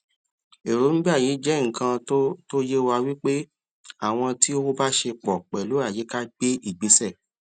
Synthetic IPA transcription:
e˨ɾo˨˦ñ̩˦ɡ͡bi˦a˦˨ji˨˦d͡ʒɛ˦ŋ̩̃˨kã˧˦to˦je˦wa˧wi˦k͡pe˦ | a˦˨w̃ɔ̃˧ti˦o˦o˦ba˦ʃe˧k͡pɔ˨k͡pɛ˨lu˨˦a˦˨je˨˦ka˦ɡ͡be˦i˦˨ɡ͡bi˨˦sɛ˦˨

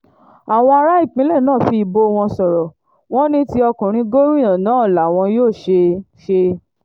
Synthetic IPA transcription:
a˨w̃ɔ̃˧a˧ɾa˦i˦˨k͡pĩ˨˦lɛ˦˨nãː˦˨fi˧bo˧w̃ɔ̃˧sɔ˨ɾɔ˨ | w̃ɔ̃˦nĩ˦ti˦ɔ˧kũ˨ɾ̃ĩ˧ɡo˦ɾũ˦jã˨nãː˨˦˨la˨w̃ɔ̃˧joː˦˨ʃe˧ | ʃe˧

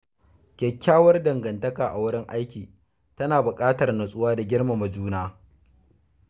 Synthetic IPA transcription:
kʲɛ˨kʲːaː˦wɐ˦rdɐ˨ŋɡɐ˨ntɐ˦kaː˨ʔa˨wʊ˦ɽɪ˦ŋʔa˦jkʲiː˨ | tɐ˦naː˨bʊ˨kʼaː˦tɐ˨rnɐ˨sʼʊ˦waː˦da˨ɡʲɪ˦rma˨mɐ˨d͡ʒuː˦naː˦

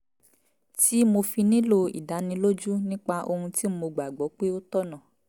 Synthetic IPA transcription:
ti˦mo˧fi˧nĩ˦lo˧ḭ˨da˨˦nĩ˧lo˦d͡ʒu˦nĩ˦k͡pa˧ʔo˧hũ˧ti˦m̩˦mo˧ɡ͡ba˨ɡ͡bɔ˨˦k͡pe˦o˦t̪ɔ˦nã˨

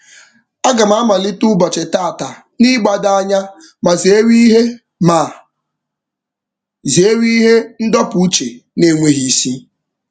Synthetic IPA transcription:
a˦ɡa˨m̩˦a˦ma˨lɪ˦tʊ˦bɔ˨t͡ʃe˨ta˦˨ta˨ | ni˦ɡ͡ba˨da˦ɲa˦ | ma˨ze˨e˦wi˦ɦe˦ | ma˨ | zi˨e˦wi˦ɦe˦n̩˦dɔ˦pu˨u˦t͡ʃe˨ne˦˨ŋʷe˦ɦi˦si˦

